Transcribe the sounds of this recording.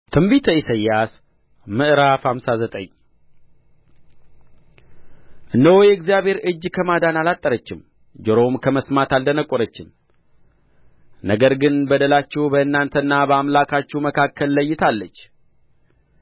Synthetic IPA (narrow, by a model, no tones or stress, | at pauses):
t̪ʰɨmbit̪ʰəisəjːas | mɨʔɨɾafhamsazət̪ʼə̰ɲ | ʔɨnd̪əwojɛɡzijaβhe̞ɾɨd͡ʒːkʰəmad̪analat̪ʼːəɾət͡ʃːɪm | d͡ʒəɾo̞mkʰəməsmat̪ald̪ənəkʼːoɾət͡ʃːɪm | nəɡəɾɡɨnbəd̪əlat͡ʃːɛwubəɨnːant̪ʰəɨnːabəamlakʰat͡ʃːɛwməkʰakːəlːəjːɪt̪ʰalːət͡ʃː